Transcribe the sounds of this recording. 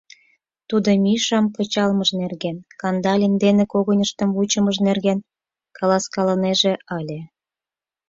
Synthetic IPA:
t̪ud̪ŏmʲiʃɑmpɤ̆t͡ɕɑlməʒnerɣenkɑnd̪ɑlʲind̪enekoɣonʲəʃt̪ə̆mβut͡ɕə̆məʒnerɣen | kɑlɑskɑləneʒeɑlʲe

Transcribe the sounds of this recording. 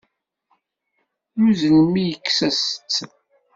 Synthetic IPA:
muzəlmijəkːsæsə̥t͡sː

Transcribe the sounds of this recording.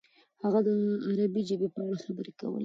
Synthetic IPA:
haɣad̪əaɾabid͡ʒəbepəaɽaxabəɾeka̰wə̰l

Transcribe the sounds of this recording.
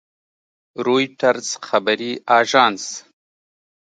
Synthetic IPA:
ɾoːjʈaɾz̥xabaɾiʔɑːʒɑːns

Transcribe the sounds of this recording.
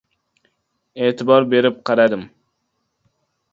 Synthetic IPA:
eːt̪ʰɪbɒɾbe̞ɾɪp̚qʰɑɾad̪ɪm

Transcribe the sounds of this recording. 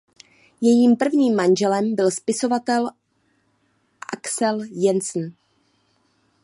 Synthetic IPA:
jɛjiːmpr̩vɲiːmːanʒɛlɛmbɪlspɪso̞vat̪ɛl | ʔaksɛljɛnsn̩

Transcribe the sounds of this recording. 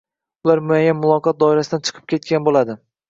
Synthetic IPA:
ʊlaɾmʊajːanmʊlˠɒqɒt̪̚d̪ɒɪɾasɪd̪ant͡ʃʰɨ̥qʰɨ̥p̚kʲe̞t̪̚kʲanbolad̪ɪ

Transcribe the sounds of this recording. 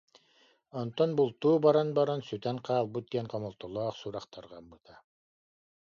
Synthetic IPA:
ɔnt̪ɔnbulˠt̪uːbɑɾanbɑɾansyt̪æŋqʰɑːlˠbut̪̚ːijɛnqɔmɔlˠt̪ɔlˠɔːχsuɾɑqt̪ɑɾʁɑbɯt̪ʰa

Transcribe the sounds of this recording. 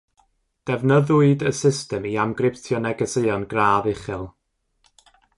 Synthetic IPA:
d̥ɛvnəðʊɨdəsɪstɛmiamɡrɪp̚tʰjɔnɛɡəsəɔnɡraːðɪχɪlˠ

